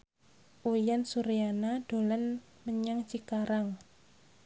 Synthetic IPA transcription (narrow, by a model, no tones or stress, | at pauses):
ʔujansuɾianad̥olan | məɲaŋt͡ʃikaɾaŋ